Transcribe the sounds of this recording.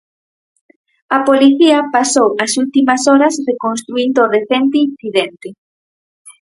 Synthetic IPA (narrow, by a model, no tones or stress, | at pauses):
ɐpoliθiɐpasowɐsult̪imɐsɔɾɐsrekonst̪ɾuind̪oːreθent̪einθiðent̪e